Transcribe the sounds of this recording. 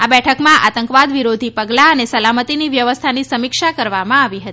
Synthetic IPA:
abɛʈʰəkmãʔa̰t̪əŋkʋad̪ʋiɾod̪ʱipəɡlaənesəlamət̪iniʋjəʋəst̪ʰanisəmikʃakəɾʋamãaʋiɦət̪i

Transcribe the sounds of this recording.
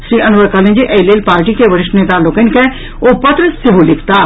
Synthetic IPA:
ʃɾiːʔɐnʋəɾkəlɪ̃nd͡ʒiʔeːleːlpaːɾʈikeʋɐɾɪʃʈneːt̪alokɪnke | oːpɐt̪ɾəseɦolɪkʰt̪aː

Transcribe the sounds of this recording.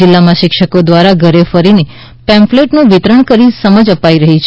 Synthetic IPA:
ɪlːamãʃɪkʃəkod̪ʋaɾaɡʱəɾefəɾini | pɛ̃mfleʈnũʋɪt̪ɾəɳkəɾisəməd͡ʒəpaiɾəɦit͡ʃʰ

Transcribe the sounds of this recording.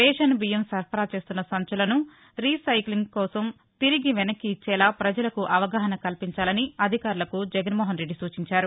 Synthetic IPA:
ɛːʃɐnbijɐmsɐɾpʰɐɾaːt͡ʃe̞ːst̪unːɐsɐɲt͡ʃulɐnu | ɾiːsɐjkliŋɡkɔːsɐm | t̪iɾiɡiʋɛnɐkːiːt͡ʃːɛːlaːpɾɐd͡ʒɐlɐkuʔɐʋɐɡaːɦɐnɐkɐlpiɲt͡ʃaːlɐniɐd̪ʱikaːɾulɐkud͡ʒɛɡɐnmɔːɦɐnɾe̞ɖːisuːt͡ʃiɲt͡ʃaːɾu

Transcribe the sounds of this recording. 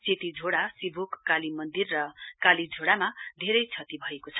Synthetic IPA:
set̪id͡zʱoɽasibʱukːalimʌnd̪irːʌkalid͡zʱoɽamad̪ʱeɾʌjt͡sʰʌt̪ibʱʌekot͡sʰʌ̥

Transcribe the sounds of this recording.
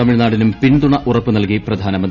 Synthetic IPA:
ɐmiɻnaːɽinumpiɳd̪uɳɐʔurɐpːɨnɐlkiprɐd̪ʱaːnɐmɐnd̪

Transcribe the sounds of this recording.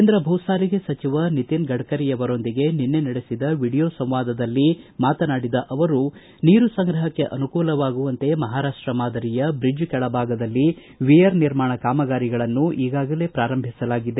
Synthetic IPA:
eːnd̪ɾɐbʱɐwsaːɾiɡe̞sɐt͡ʃiʋɐnit̪inɡɐɽkɐɾijɐʋɐɾo̞nd̪iɡeninːe̞nɐɽesid̪ɐʋiɽijoːsɐ̃m̃ʋaːd̪ɐd̪ɐlːimaːt̪ɐnaːɽid̪ɐʔɐʋɐɾu | niːɾusɐŋɡɾɐɦɐkːe̞ʔɐnukuːlɐʋaːɡuʋɐnt̪e̞mɐɦaːɾaːʂʈɾɐmaːd̪ɐɾijɐbɾid͡ʒkɛɭɐbʱaːɡɐd̪ɐlːi | ʋijɐɾniɾmaːɳɐkaːmɐɡaːɾiɡɐɭɐnːuʔiːɡaːɡɐle̞ːpɾaːɾɐmbʱisɐlaːɡid̪e

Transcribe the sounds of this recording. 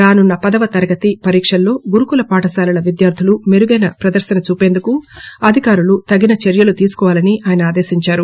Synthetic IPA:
ɾaːnunːɐpɐd̪ɐʋɐt̪ɐɾɐɡɐt̪ipɐɾiːkʂɐlːo̞ːɡuɾukulɐpaːʈɐsaːlɐlɐʋid̪jaːɾd̪ʱulume̞ɾuɡɐjnɐpɾɐd̪ɐɾsɐnɐt͡ʃuːpe̞nd̪ukuɐd̪ʱikaːɾulut̪ɐɡinɐt͡ʃeɾjɐlut̪iːsu̥kɔːʋaːlɐniʔaːjɐnɐaːd̪e̞ːsiɲt͡ʃaːɾu

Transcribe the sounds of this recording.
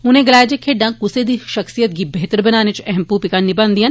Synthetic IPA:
ʊnẽɡəlaːjed͡ʒekʰeːɖãkʊsed̪iːʃɐxsijət̪̚ɡiːbeːt̪əɾbɐnaːnet͡ʃɛɦɛmpuːpɪkanːɪbə̃nd̪iːɦɐn

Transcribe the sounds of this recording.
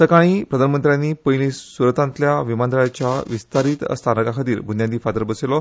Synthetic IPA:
səkaɽ̃iːpɾəd̪ʱanəmənt̪ɾjanːipəjlĩsuɾət̪ãnt̪ljaʋimand̪əɭat͡ɕjaʋist̪aɾiːt̪ə̰st̪ʰanəkakʰət̪iːɾbʱunjad̪iːfad̪əɾbəselɔ

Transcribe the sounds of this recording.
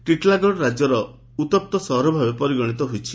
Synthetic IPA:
ʈiʈlaɡɔɽɾad͡ʒjɔɾɔ | ut̪ɔp̚t̪ɔsɔɦɾɔbʱabepɔɾiɡɔɽ̃it̪ɔɦojt͡ʃʰi

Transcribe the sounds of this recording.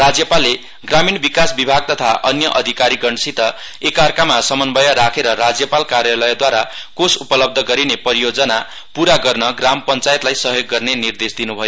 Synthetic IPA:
rad͡zjʌpalːe | ɡraminbikasbibʱaɡ̚t̪ʌt̪ʰaʔʌnjʌʔʌd̪ʱikaɾiɡʌɳsit̪ʌ | ekarkamasʌmʌnbʌjʌɾakʰeɾʌɾad͡zjʌpalkarjalʌjd̪waɾakosupʌlʌb̚d̪ʱʌɡʌɾinepʌɾijod͡zʌna | puɾaɡʌrnʌɡrampʌnt͡sajet̪lajsʌɦjoɡːʌrnenird̪esd̪inubʱʌjo

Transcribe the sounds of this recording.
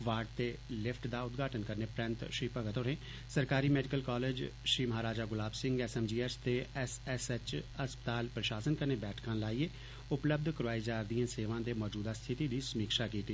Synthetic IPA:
ʋaːɖt̪eːlɪfʰʈd̪aːʊt̪ɡaːʈənkəɾneːpɾɛ̃nt̪ʃɾiːpəɡət̪oːɾẽː | səɾkaːɾiːmɛːɖɪkəlkaːleːd͡ʒʃɾiːməɦaːɾaːd͡ʒaːɡʊlaːbsɪ̃ŋɡɛːsɛːmd͡ʒiːɛst̪eːɛsɛsɛt͡ʃəspət̪aːlpɾəʃaːsənkəɾneːbɛːʈʰkãːlaːieː | ʊpləb̚d̪ʱkəɾʋaːiːd͡ʒaːɾd̪ijãːseːʋãːd̪eːmɔːd͡ʒuːd̪aːst̪ʰɪt̪iːd̪iːsəmiːkʃaːkiːt̪iː

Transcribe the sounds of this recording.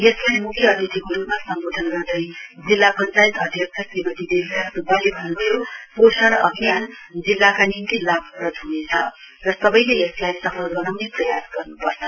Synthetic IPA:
jeslajmukʰiʌd̪ʱit̪ʰikoɾupmasʌŋɡod̪ʱʌnɡʌrd̪ʌjd͡zilːapʌnt͡sajit̪ʌd̪ʱjʌk̚t͡sʰʌsribʌt̪id̪eskasubalebʱʌnubʌjoposaɾʌʔʌɡijand͡zilːakanint̪ilabrʌd̪ʱunet͡sʰʌ | rʌsʌbʌjleeslajsʌpʰʌlɡʌnawneprʌjasɡ̥ʌrnupʌrt͡sʰʌ

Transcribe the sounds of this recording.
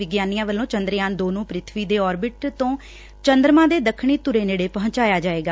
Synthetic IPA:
ɪɡjaːnijãːʋəlːõːt͡ʃənd̪ɾjaːnd̪oːnũːpɾɪt̪ʰʋiːd̪eːɔːɾbɪʈt̪õː | t͡ʃənd̪ɾmãːd̪eːd̪əkʰːɳiːt̪ʊɾeːneːɽeːpəɦʊ̃t͡ʃaːjaːd͡ʒaːeːɡaː

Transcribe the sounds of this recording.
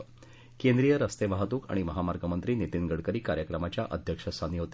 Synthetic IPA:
kend̪ɾijəɾəst̪eʋaɦət̪uːka̰ɽ̃iməɦamaɾɡəmənt̪ɾiːnit̪inɡəɽkəɾiːkaɾjəkɾəmat͡ɕjaʔəd̪ʱjəkʂəsaniːɦot̪

